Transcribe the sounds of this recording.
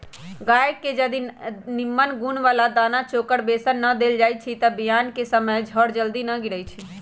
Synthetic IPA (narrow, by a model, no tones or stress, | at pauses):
ɡajkːed͡ʒəd̪inimːənɡunʋalad̪anat͡ʃokəɽbesənːəd̪eld͡ʒaj̚t͡ʃʰit̪əbijankesəməjd͡ʒʱəɽd͡ʒəld̪inəɡiɾəjt͡ʃʰi